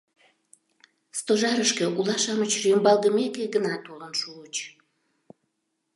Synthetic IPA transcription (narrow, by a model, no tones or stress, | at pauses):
st̪oʒɑɾəʃkĕʔulɑʃɑmət͡ɕrøəmbɑlˠɣəmekeɡənɑt̪olənʃuːt͡ɕ